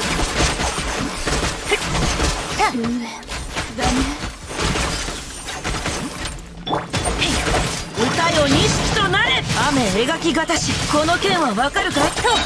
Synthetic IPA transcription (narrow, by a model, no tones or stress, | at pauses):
zame | ot̪aeoɲʲĩɕi̥kʲi̥t̪o̞naɾeame̞eɡakʲiɡat̪aɕiko̞no̞kẽ̞ɰ̃βaβakaɾɯ̟ka